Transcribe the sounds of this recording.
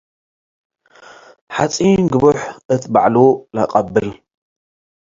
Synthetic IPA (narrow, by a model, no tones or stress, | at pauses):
ħat͡sʼinɡɨβɨħʔɨt̪ʰbaʕlula̰qʼɐbːɨl